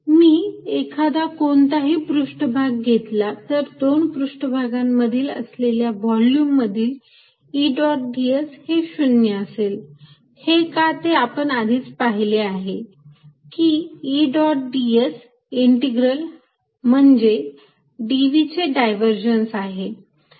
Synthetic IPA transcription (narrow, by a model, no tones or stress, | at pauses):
miːekʰad̪akoɳt̪aɦiːpɾuʂʈəbʱaɡːet̪lat̪əɾd̪onpɾuʂʈəbʱaɡamːəd̪ʱiːlə̰sleljaʋɔljuːmːəd̪ʱiːl | iɖɔʈ̚ɖiesheɕunjəəsel | hekat̪eapəɳad̪ʱiːt͡spaɦileaɦe | kiːɖɔʈ̚ɖies | iɳʈeɡɾəl | m̤əɳd͡ze | ɖiʋit͡seɖajʋəɾd͡ʑənsaɦe